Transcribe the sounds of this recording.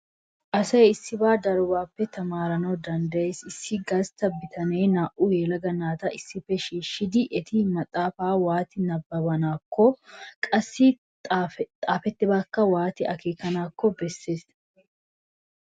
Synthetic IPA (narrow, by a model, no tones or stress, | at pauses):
ʔɐsɐjɪsːɪbaːd̪ɐɾɔbaːpːɛt̪ʰɐmaːɾɐnɐwd̪ɐnd̪ɐje̞ːsɪsːɪɡɐst̪ɐbːɪt̪ʰɐnejnaːʔʊjɛːlɐɡɐnaːt̪ɐʔɪsːɪfːɛʃiːʃːɪd̪ɪʔɛt̪ʰɪmɐt̪ʼːaːfaːwaːt̪ɪnɐbːɐbɐnaːkːɔkʼɐsːɪ | t̪ʼaːfɛt̪ːɪbaːkːɐwaːt̪ɪʔɐkeːkɐnaːkːɔbɛsːe̞ːs